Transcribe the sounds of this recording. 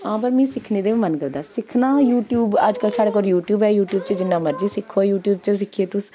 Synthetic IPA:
ãːp̬əɾmɛ̃ːsɪkʰneːd̪eːʋiːmənkəɾd̪aːsɪkʰnãːjuːʈjuːbəd͡ʒkəlsaːɽeːkɔːɾjuːʈjuːbɛːjuːʈjuːbt͡ʃəd͡ʒɪnːãːməɾd͡ʒiːsɪkʰːoːjuːʈjuːb̚t͡ʃəsɪkʰieːt̪ʊs

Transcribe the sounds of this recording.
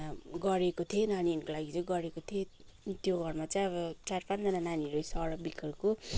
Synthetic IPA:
ɡʌɾekot̪ʰienaninkolaɡit͡sʌj̃ɡʌɾekot̪ʰie | t̪joɡʱʌrmat͡sʌ̃j̃ʌbʌt͡sarpand͡zʌnananiɾosʌɽʌbikʌrko

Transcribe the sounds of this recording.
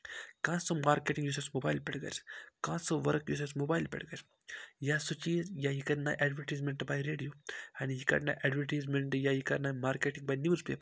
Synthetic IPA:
kãːsɐmaːɾkeʈiŋɡjuːs̬ɐsmobaːjlpɛɽɡɐ̰ɾkãːsəʋɐɾkjuːs̬ɐsmobaːjlpɛ̰ɽɡɐɾ | jaːsut͡ʃiːzjajikɐɾna̰jʔɛɖʋəʈiːzmenʈbajɾeːɖijoːɛ̃njikɐ̰ʈnajʔɛɖʋəʈiːzmenʈjaːjikɐɾnajmaːɾkeːʈiŋɡbaːjnjuːɾzpḛːpəɾ

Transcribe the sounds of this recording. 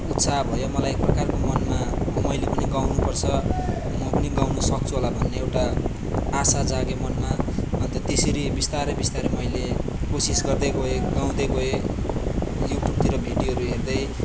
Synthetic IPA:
ut̪sʰabʱʌjomʌlajek̚prʌkarkomʌnma | mʌjlepʌniɡawnupʌrt͡sʰʌ | mʌpʌniɡawnʌsʌk̚t͡sʰuɦolabʱʌnːeewʈaː | sad͡zaɡemʌnmabʱʌnt̪at̪eseɾibist̪aɾʌbist̪aɾʌmʌjlekosisɡʌrd̪ʌjɡoeɡaw̃d̪ʌjɡoe | juʈjub̚t̪iɾʌbʱiɖjiʌɾuɦerd̪ʌj

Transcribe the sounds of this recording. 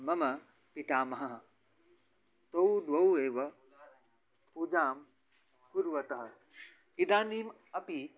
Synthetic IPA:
mɐmɐ | pit̪aːmɐɦɐɦɐ | t̪owd̪wɐweːʋɐ | pud͡ʒaːm | kuɾʋɐt̪ɐɦɐ̆ | id̪aːniːm | ɐpi

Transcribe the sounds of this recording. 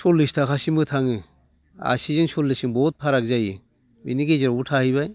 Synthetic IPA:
sɔlːɯstʰakʰasimɯtʰaŋɯ | a̰sizɯnsɔlːɯsiŋbɔt̚pʰaɾak̚zajɯ | bḭniɡeziɾautʰahɯβaj

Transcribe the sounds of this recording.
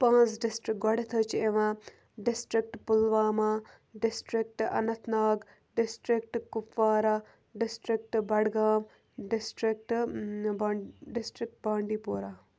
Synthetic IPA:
pãːt͡sɖɪsʈɾɪkɡɐɽɐt̪ʰət͡ʃeʋãː | ɖɪsʈɾɪk̚ʈpʊlʋaːmaː | ɖɪsʈɾɪk̚ʈɐ̰nɐt̪ʰnaːɡ | ɖɪsʈɾɪk̚ʈkʊfaːɾaː | ɖɪsʈɾɪk̚ʈbɐɽɡaːm | ɖɪsʈɾɪk̚ʈbɖɪsʈɾɪk̚ʈ̚baːɳɖiːpoːɾaː

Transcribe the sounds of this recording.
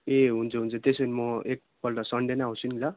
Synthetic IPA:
eɦunt͡sʰʌɦunt͡sʰʌt̪esʌnimʌek̚bʌlʈʌsʌɳɖenaɦosʰunila

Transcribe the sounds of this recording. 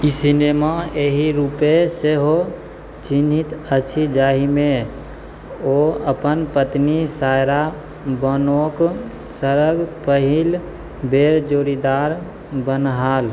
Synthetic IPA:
isineːmaeɦiɾuːpeseɦo | t͡ʃinit̪ət͡ʃʰid͡ʒaːɦimẽ | oəpənpət̪nisaːjɾa | bənok | səɾəɡpəɦil | beːɾd͡ʒoːɾid̪aːɾ | bənɦaːl

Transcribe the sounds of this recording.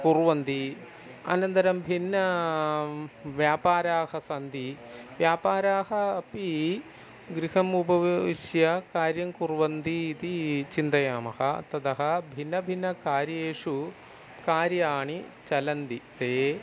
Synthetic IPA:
kuɾʋɐnd̪i | ɐ̰nɐnt̪ɐɾɐmbʱinːɐ | ʋjaːpaːɾaːhɐsɐnd̪i | ʋjaːpaːɾaːɦɐɐpi | ɡɾiɦɐmubɐʋiʂjɐkaːɾjɐŋkuɾʋɐnd̪iːt̪it͡ʃind̪ɐjaːmɐhɐt̪ɐd̪ɐɦɐ̆bʱinːɐbʱinːɐkaːɾjeːʂu | kaːɾjaːɳit͡ʃɐlɐnd̪it̪eː

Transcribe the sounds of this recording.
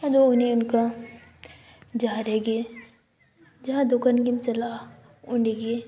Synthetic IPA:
ɐd̪oʊnẽʊnka | d͡ʒaːɾeɡe | d͡ʒɐɦãd̪ʊkankimsɐlaːɦ | ʊɳɖeɡe

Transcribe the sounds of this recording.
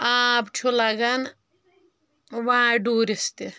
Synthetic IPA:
abt͡ʃʰulaɡɐn | ʋãɖuːɾist̪i

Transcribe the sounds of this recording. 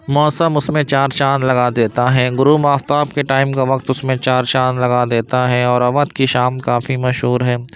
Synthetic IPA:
mɔːsəmʊsmẽt͡ʃaːɾt͡ʃaːnlɐɡad̪eːt̪aɦɛːɡʊɾuːmaːft̪aːb̚keʈaːɪmkaʋɐkt̪ʊsmẽt͡ʃaːɾt͡ʃaːnlɐɡad̪eːt̪aɦɛɔːɾɐʋət̪kiʃaːmkaːfimɐʃɦuːɾɦɛː

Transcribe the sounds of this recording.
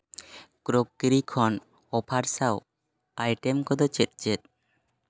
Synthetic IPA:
kɾokːiɾikʰɔn | ɔpʰaɾsaw | ajʈemkɔd̪ɔt͡ʃet̪̚t͡ʃet̪̚

